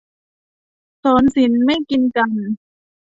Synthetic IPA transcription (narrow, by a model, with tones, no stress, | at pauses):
soː˩˦nsi˩˦nma˥˩jki˧nka˨n